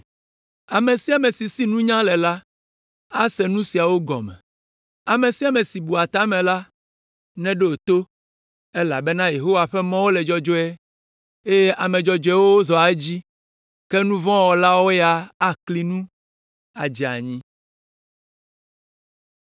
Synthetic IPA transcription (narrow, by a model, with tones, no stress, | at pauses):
a˨mẽ˨si˦a˨mɛ̃˨si˨si˦nũ˦ɲã˦lɛ˨la˦ | a˦sɛ˨nũ˦si˨a˨wo˦ɡɔ̰˨mɛ̰̃˨ | a˨mẽ˨si˦a˨mɛ̃˨si˨bu˨a˨t̪a˦mɛ̃˨la˦ | nɛ̃˦ɖe˦o˨t̪o˦ | e˦la̰˨bɛ˦nã˦je˨ɦo˦wa˨ɸɛ˦mɔ̃˦wo˦lɛ˨d͡ʒɔ˦d͡ʒɔ˦ɛ˦ | e˦je˦ʔa˨mɛ̃˨d͡ʒɔ˦d͡ʒɛ˦wo˦wo˦zɔ˨a˨e˦d͡ʑi˦ | kɛ˦nũ˦vɔ̃˦wɔ˨la˦wo˦ja˨a˦kli˦nũ˦ | a̰˨d͡ʒi˨a̰˨ɲĩ˦